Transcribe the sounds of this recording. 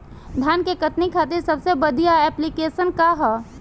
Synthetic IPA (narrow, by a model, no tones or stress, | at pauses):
d̪ʱjaːnkekət̪nikʰaːt̪iɾsɐbsebəd̪ʱijaɛːplikeːʃənkaɦɛː